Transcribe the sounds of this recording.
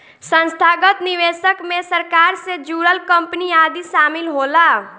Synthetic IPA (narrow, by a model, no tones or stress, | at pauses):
sə̃nst̪ʰaːɡət̪nɪʋeːʃəkmẽsəɾkaːɾsed͡ʒuːɾəlkə̃mpniaːd̪iʃaːmɪlɦoːlaː